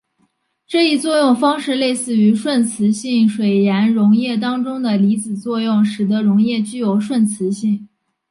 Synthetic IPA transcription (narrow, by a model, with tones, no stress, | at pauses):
ʈ͡ʂɤ˥˧i˥˧t͡swɔ˥˧jʊ˥˩ŋfɑ˥ŋʂɻ̩˥˧le˥˧ɪsɹ̩˥˩y˧˥ʂwə˥˩nt͡sʰɹ̩˧˥ɕi˥˩ŋʂwe˨˩ɪjɛ˧˥nɻʊ˧˥ŋjɛ˥˩t̪̬ɑ˥ŋʈ͡ʂʊ˥ŋd̪ə˨li˧˥t͡sɹ̩˨˩t͡swɔ˥˧jʊ˥˩ŋʂɻ̩˨˩d̪ə˧˥ɻʊ˧˥ŋjɛ˥˩t͡ɕy˥jo˨˧˩ʊʂwə˥˩nt͡sʰɹ̩˧˥ɕi˥˩ŋ